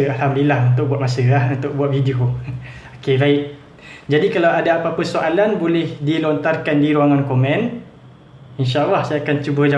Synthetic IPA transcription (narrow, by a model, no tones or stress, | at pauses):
alɦamdilahunt̪ʊk̚buat̪̚masəlahunt̪ʊk̚buat̪̚fidio | okebaɪʔ | d͡ʒadikalawadaapapəsoʔalanbolɛhdilɔnt̪arkandiɾuwaŋankomɛ̃n | inʃaʔɑlːɑhsajakant͡ʃubəd͡ʒa